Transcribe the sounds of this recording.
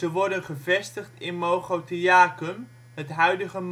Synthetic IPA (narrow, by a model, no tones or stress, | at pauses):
əʋɔɹdənχəvɛstəχtɪnmoχowtəaːkəm | ɦətɦœɥdəχəm